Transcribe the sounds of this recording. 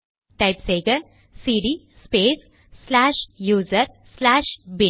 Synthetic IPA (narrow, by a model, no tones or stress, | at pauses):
ʈaɪpseːɡəɾ | siːɖiː | speːs | slaːʃjuːzəɾ | slaːʃbi